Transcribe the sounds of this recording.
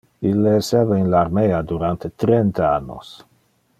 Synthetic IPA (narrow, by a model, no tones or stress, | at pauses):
ilːeːsevainlaɾmead̪uɾant̪et̪ɾent̪aanːo̰s